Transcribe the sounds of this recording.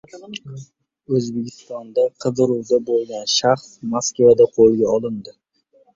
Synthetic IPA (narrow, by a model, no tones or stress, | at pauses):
ɵzbekʲɪst̪ɒnd̪aqʰɨd̪ɨɾuwd̪abolˠɡʲanʃaχsmaskvad̪aqʰolˠɡʲaɒlˠɪnd̪ɪ